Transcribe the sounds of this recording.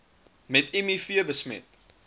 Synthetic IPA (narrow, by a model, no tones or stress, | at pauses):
mɛtɛmifiəbəsmɛ̰t